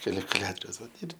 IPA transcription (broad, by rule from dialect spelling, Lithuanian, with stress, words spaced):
kɐlʲɪkʊˈlʲæːtoːrʲɛʊs ˈʋɐt ɪr